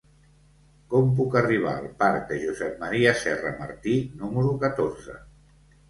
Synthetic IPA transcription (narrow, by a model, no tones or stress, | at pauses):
kɔmp̬ukəriβ̞a̰əlˠpaɾk̚d̪əʒuzɛp̚məɾiəsɛrəməɾt̪inuməɾukət̪orzə̰